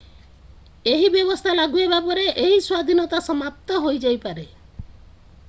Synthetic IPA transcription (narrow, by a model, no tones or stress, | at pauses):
eɦibjɔβɔst̪ʰalaɡuebapɔɾeʔeɦiswad̪ʱinɔt̪asɔmap̚t̪ɔɦojd͡ʒajpaɾe